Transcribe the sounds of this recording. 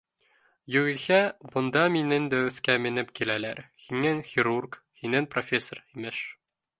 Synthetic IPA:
jɵʁĭhæbŏnd̪ɑminɘŋd̪æɵ̆θkæmɘ̆nɘpkilælæɾhiŋɘŋxʲiɾurk | hinɘŋprofʲesːorimɘʃ

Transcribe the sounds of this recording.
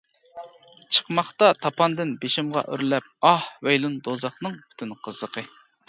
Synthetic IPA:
t͡ʃʰə̥qmɑχt̪ɑt̪ʰɑpɑnd̪ɪnbeʃɪmʁɑ̰ʔøɾlɛp̚ɑhwejlˠund̪ozɑχnɨŋpʰy̥t̪ʰynqʰəzːəqʰə

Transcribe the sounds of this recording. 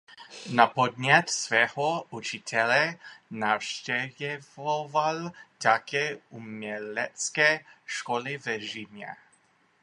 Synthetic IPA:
napod̪ɲɛt̪svɛːhoʔut͡ʃit̪ʰɛlɛnaːfʃcɛvɛvovalt̪akʰɛːʔumɲɛlɛt͡skɛːʃkolɪvɛʒimɲɛ̰

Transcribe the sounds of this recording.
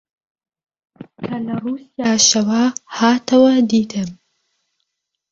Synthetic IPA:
kʰɐlɐrusijaːʃɐwɐhaːt̪ʰɐwɐd̪iːt̪ʰɨm

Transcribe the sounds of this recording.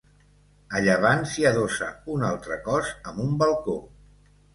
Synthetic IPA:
əʎəβ̞ansiəðosə̰unalˠt̪ɾəkɔzəmumbəlˠko

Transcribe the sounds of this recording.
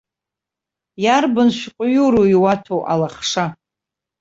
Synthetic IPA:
jarbɨnʃʷᶣqʷʼʊjuɾoiwatʰoʔa̰laχʂa

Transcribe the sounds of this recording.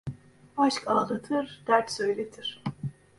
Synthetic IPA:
aʃkaːlˠɯt̪ʰɯɾd̪̥æɾt̪sø̞jlʲet̪ʰiɾ̥

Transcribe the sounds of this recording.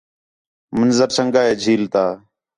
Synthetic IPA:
mənzəɾsʰəŋɡaːɦeːd͡ʒʱiːlt̪aː

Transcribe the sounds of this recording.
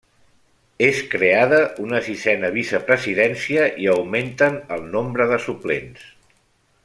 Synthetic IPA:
eskɾeaðəunəsizɛnəβ̞isəpɾəziðɛnsiəʔiəwment̪ənəlˠnombɾəðəsuplḛns

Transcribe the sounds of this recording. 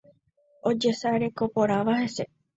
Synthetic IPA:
od͡ʒe̞saɾe̞ko̞poɾaʋaɦe̞se

